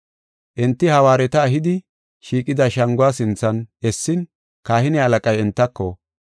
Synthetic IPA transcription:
ʔɛnt̪ːɪhɐwaːɾɛt̪ɐːɦɪd̪ɪ | ʃiːkʼɪd̪ɐʃɐŋɡʊwaːsɪnt͡sːɐnɛsːɪn | kaːhɪnɛɐlɐkʼɐjɛnt̪ːɐkːɔ

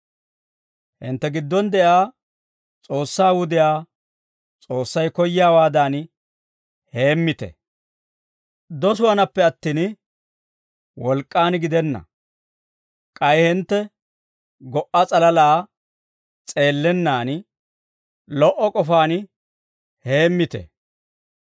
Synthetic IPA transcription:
hɪ̰nt̪ːɛɡɪd̪ːɔnd̪ɛʔaː | t͡sʼo̞ːsːaːwʊd̪ɪjaː | t͡sʼoːsːɐjkɔjaːwaːd̪aːn | he̞ːmːɪt̪ɛ̰ | d̪ɔsʊwɐnɐpːɛɐt̪ːiːn | wɔlkʼːaːnɡɪd̪ɛnːɐ̰ | kʼɐjhɪnt̪ːɛ | ɡɔʔːɐt͡sʼɐlɐlaː | t͡sʼe̞ːlːɛnːaːn | lɔʔɔkʼɔfaːn | he̞ːmːɪt̪ɛ̰

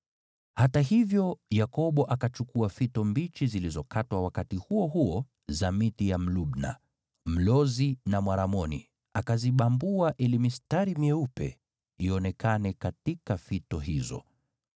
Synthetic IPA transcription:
hataɦivjɔjakɔɓɔʔakat͡ʃukuafitɔmbit͡ʃizilizɔkatwawakatihuɔɦuɔ | zamitijam̩luɓna̰ | m̩lɔzinamwaɾamɔnḭ | akaziɓambuaʔɛlimistaɾimiɛupɛ̰ | iɔnɛkanɛkatikafitɔɦizɔ̰

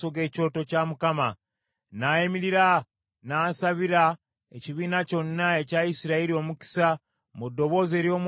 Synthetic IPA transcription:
oɡe̞ːco̞to̞camukama | najemiɾiɾa | naːsaβiɾa | ḛciβiːnaco̞nːae̞caisiɾaiɾio̞muci̥sa | mudːo̞βo̞ːze̞ːɾjo̞ːm

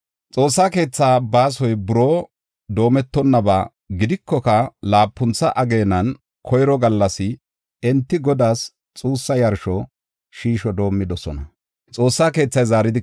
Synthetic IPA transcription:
t͡sʼo̞ːsːaːke̞ːt͡sːaːbaːs̬ɔjbʊɾoː | d̪o̞ːmɛt̪ːɔnːɐbaː | ɡɪd̪ɪkːɔkɐlaːpːʊnt͡sːɐʔɐɡe̞ːnɐn | kʰɔjɾɔɡɐlːɐsɪ | ɛnt̪ːɪɡɔd̪aːs | t͡sʼuːsːɐjɐɾʃɔ | ʃiːʃɔd̪o̞ːmːɪd̪ɔsɔ̰nɐ | t͡sʼo̞ːsːaːke̞ːt͡sːɐjzaːɾɪd̪ɪ

